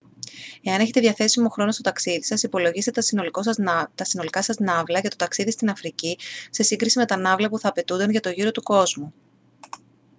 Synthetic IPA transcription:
e̞ɐne̞çe̞t̪e̞ðʝɐθe̞simo̞xɾo̞no̞st̪o̞t̪ɐksiðisɐsipo̞lo̞ʝiset̪esolkost̪ɐsino̞likɐsɐznɐvlɐcet̪o̞t̪ɐksiðist̪inɐfɾicise̞siŋɡɾisime̞t̪ɐnɐvlɐpuθɐːpe̞t̪und̪ɐnʝɐt̪o̞ʝiɾo̞t̪uko̞zmu

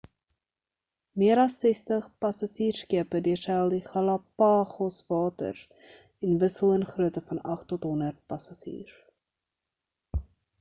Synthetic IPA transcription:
miəɾɐsːɛstəχpɐsɐsiːrskiəpədiərsɛlˠdiχɐlɐpɑːχɔsvɑːtə̰r | ɛnvəsəlˠənχruətəfɐnɐχtɔtɦɔnərt̚pɐsasḭːr

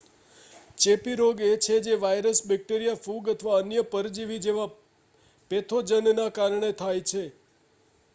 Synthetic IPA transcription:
t͡ʃepiɾoɡet͡ʃʰed͡ʒeʋajɾəsbɛk̚ʈeɾijafuɡət̪ʰəʋaənjəpəɾd͡ʒiʋid͡ʒeʋa | pet̪ʰod͡ʒənnakaɾɳet̪ʰajt͡ʃʰe

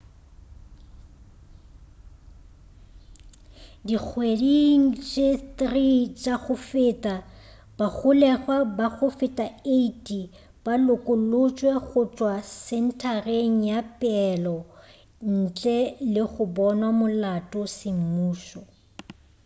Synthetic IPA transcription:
dik͡xʰwediŋ̩t͡ʃʼetrit͡ʃʼaɣʊfɪtʼa | b̥aɣʊlɛɣwabaɣʊfɪtʼaeitʼi | b̥alʊkʼʊlʊt͡ʃʼwɛɣʊt͡ʃʼwasɛn̩tʰareŋ̩japʼɛlɔ | n̩t͡ɬʼɛlɪɣʊbɔnwamʊlatʼʊsɪm̩muːʃɔ

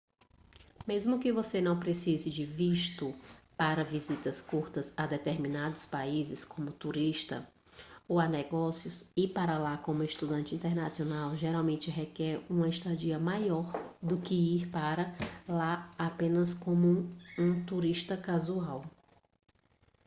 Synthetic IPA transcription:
mezmʊkɪvosenɐ̃w̃pɾesizɪd͡ʒɪviʃt̪ʊpaɾɐvizit̪ɐskuɾt̪ɐzad̪ɛt̪eɾmĩnad̪ʊspaizɪskõmʊt̪uɾiʃt̪ɐ̰ | owanɛɡɔsjʊsɪpaɾɐlakõmʊɪʃt̪ud̪ɐ̃nt͡ʃɪĩnt̪ɛɾnasionawʒɛɾawmẽnt͡ʃɪɦɛkɛɾũmɐɪʃt̪ad͡ʒiɐmajɔɾd̪ʊkɪiɾpaɾɐlaapẽnɐskõmʊũt̪uɾiʃt̪ɐkazuaw

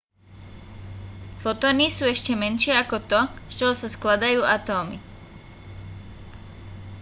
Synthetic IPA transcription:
fɔt̪ɔanisuːɛʃcɛmɛnʃɪɛakɔt̪ɔt͡ʃɔɦɔsasklad̪ajuːat̪ɔːmi

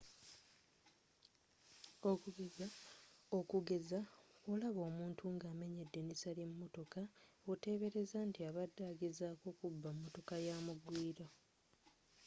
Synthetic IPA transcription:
okuɡezaokuɡe̞zaolaβo̞ːmuːntʰuŋɡaːme̞ɲe̞dːe̞nisalemːo̞to̞kaote̞ːβe̞ɾe̞zantiaβadːaːɡe̞zaːko̞kubːamːoto̞kajamuɡwiːɾo

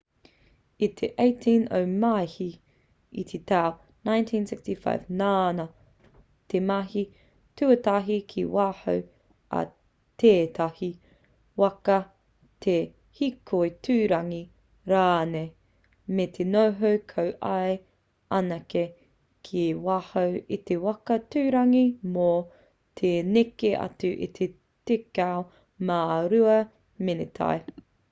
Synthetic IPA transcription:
it̪ʰeʔejtʰino̰wmajhi | ḭt̪ʰet̪aw | nãjntʰĩːnsɪkstifa̰ɪvnaːnɐ | tʰemɐhi | tʉɐtaɦikʰiwaːho̰w | ɐ̰ | teːtʰahi | wɐkɐ | tʰe | hikʰojtʰʉːɾɐŋi | ɾaːne | met̪ʰenowɦɐwkʰɐwʔɐe | ʔɐnɐke | kʰiwaːhɐwit̪ewɐkɐtʉːɾɐŋimo | tʰenekeʔɐ̰tʉʔḭt̪ʰe | tekao | maːɾʉɐ | menet̪ʰa̰e

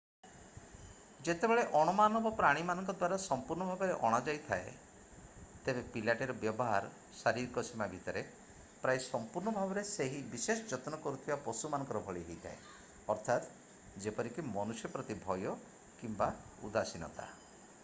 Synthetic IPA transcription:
d͡ʒet̪ebeɭeʔɔɽ̃ɔmanɔbɔpɾaɽ̃imanɔŋkɔd̪waɾasɔmpuɾɳɔbʱabɔɾeʔɔɽ̃ad͡ʒajt̪ʰae | t̪ebepilaʈeɾɔbjɔbɔɦaɾ | saɾiɾkɔsimabʱit̪ɔɾe | pɾajsɔmpuɾɳɔbʱabɔɾeseɦibises̬ɔd͡ʒɔt̪nɔkɔɾut̪ʰibapɔsumanɔ̃ŋkɔɾɔbʱɔɭiɦejt̪ʰa̰ḛ | ɔɾt̪ʰat̪ | d͡ʒepɔɾikimɔnusjɔpɾɔt̪ibʱɔjɔ | kimba | ṵd̪asinɔ̰t̪a̰

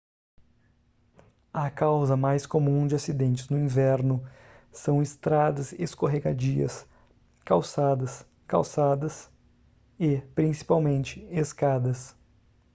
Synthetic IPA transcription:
ɐkawzɐmajskomũd͡ʒɪasid̪ẽnt͡ʃɪznʊĩvɛɾnʊ | sɐ̃w̃ɪst̪ɾad̪ɐzeskoɦeɡad͡ʒiɐ̰s | kawsad̪ɐs | ka̰wsad̪ɐs | ɪpɾĩsi̥pawmẽnt͡ʃɪeskad̪ɐs

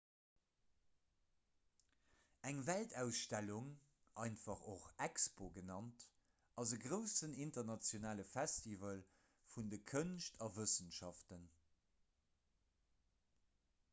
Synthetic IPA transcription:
æŋvæltæʊsʃtæluŋ | ʔɑɪnfɑχoχækspoɡənɑnt | ʔɑzəɡʁəʊsənintɐʁnɑt͡sjonaːləfæstivəl | fundəkʰənʃtʰɑvəsənʃɑftən

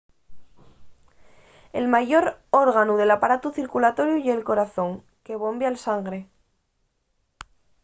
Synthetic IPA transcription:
e̞̰lmaʝo̞ɾo̞ɾɣ̞anuðe̞lapaɾat̪uθiɾkulat̪o̞ɾjuʝelko̞ɾaθõ̞ŋ | ke̞β̞o̞mbjalsaŋɡɾe̞

